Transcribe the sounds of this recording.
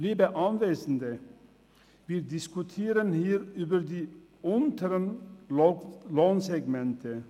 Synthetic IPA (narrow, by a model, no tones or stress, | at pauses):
liːbəʔɑnʋeːsn̩d̪ə | ʋɪd̪ɪskʉt̪ʰeːɾənhiːɾyːbəɾd̪iːʊnt̪ʰəɾən | loːnsɛɡmɛnt̪ʰə